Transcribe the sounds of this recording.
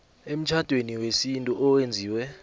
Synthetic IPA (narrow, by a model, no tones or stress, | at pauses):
em̩t͡ʃʰad̥ʱweniwesintʼuʔɔwend͡zʱiːwɛ